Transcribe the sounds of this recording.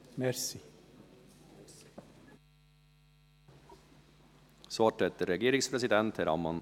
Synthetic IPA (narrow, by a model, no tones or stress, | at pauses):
mɛɾsi | soɑʈʰɛt̪əɾɛɡeːɾɪŋspʰɾɛsɪd̪ɛnt̪ʰhæɾɑ̰mɑn